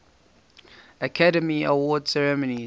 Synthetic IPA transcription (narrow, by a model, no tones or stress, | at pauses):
əkʰaɾəmiəwɔdsɛɹɛməni